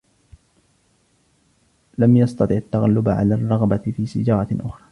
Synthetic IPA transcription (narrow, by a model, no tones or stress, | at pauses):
lamjɑst̪ɑt̪ˤɨʕat̪ːaɣalːʊbaʕa̰laːrˤːɑɣbafiːsɪ̰d͡ʒɑːɾˤɑʔʊxɾˤɑː